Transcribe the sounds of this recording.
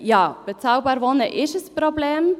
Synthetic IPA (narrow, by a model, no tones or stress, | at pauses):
jɑːb̥ət͡saʊbɑːɾvɔnə̰ʔɪʃəsprobleːm